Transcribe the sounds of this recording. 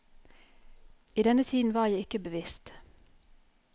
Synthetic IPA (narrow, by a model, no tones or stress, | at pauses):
iːd̪ɛnət̪ʰiːd̪n̩ʋɑːʁjæɪɪkəbəʋɪst̪